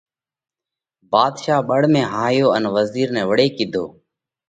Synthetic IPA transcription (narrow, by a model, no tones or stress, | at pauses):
baːd̪ʃaːɓəɽ̤mẽːɦaːɦjoːənʋəziːɾnɛ̃ːʋəɽeːkiːd̪ʱo̰ː